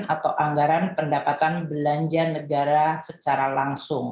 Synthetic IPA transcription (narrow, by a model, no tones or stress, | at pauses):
at̪awʔaŋɡaɾanpəndapat̪anbəlaɲd͡ʒanəɡaɾasət͡ʃaɾalaŋsʊŋ